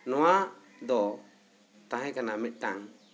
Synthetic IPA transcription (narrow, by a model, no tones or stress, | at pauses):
nɔwa | d̪ɔ | t̪ãɦɛ̃kanamɛt̪̚ˀʈaŋ